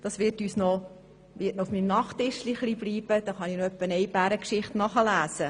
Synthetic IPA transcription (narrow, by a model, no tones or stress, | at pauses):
d̥ɑsʋɪɾtyːsnɔ | ʋɪtnɔufmimnɑχtɪʃliχlibliːb̥əd̥̪ɑχɑnɪnoœpːənɛjbæɾəkʃɪχtnɑχəlæːsə